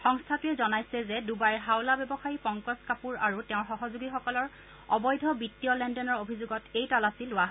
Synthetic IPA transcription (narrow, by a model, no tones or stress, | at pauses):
xɔŋstʰatʊɛzɔnajsɛzɛdubajɦawlabɛbɔxajipɔŋkɔskapuɹaɹutɛʊ̃ɹxɔɦɔzuɡixɔkɔlɔɹ | ɔbɔjdʱɔbitːiɔlɛndɔnɔɹobʱizuɡɔtejtalasilʊaɦ